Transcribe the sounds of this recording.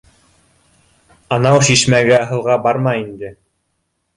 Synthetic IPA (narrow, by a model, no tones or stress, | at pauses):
ɑnɑwʃiʃmæɡæɦɤ̆lˠʁɑbɑɾmɑind̪ɘ